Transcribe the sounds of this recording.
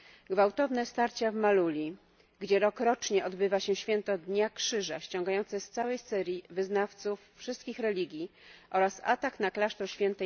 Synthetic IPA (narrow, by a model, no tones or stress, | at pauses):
ɡvawt̪ɔvnɛst̪aɾt͡ɕavmalulʲi | ɡd͡ʑɛɾɔkɾɔt͡ʂɲɛɔd̪bɘvaɕɛɕfʲjɛnt̪ɔd̪ɲakʂɘʐaɕt͡ɕɔ̃ŋɡajɔnt̪sɛst̪sawɛjsɛɾʲjivɘznaft̪sufːʂɘst̪̚kʲixɾɛlʲiɡʲjiʔɔɾasa̰t̪aknaklaʂt̪ɾɔɕfʲjɛnt̪ɛ